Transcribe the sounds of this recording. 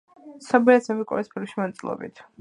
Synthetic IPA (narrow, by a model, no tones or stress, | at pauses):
sabiasɛbikʼɔ̰ɾispʰilkʃimant̪sʼilˠɔ̰bḭt̪ʰ